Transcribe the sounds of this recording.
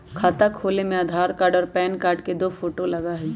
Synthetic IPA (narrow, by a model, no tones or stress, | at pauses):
kʰaːt̪akʰoːlemẽaːd̪ʱaːɾkaːɖɔːɾpɛːnkaːɾɖked̪oːfʰoːʈolɐɡaɦɛː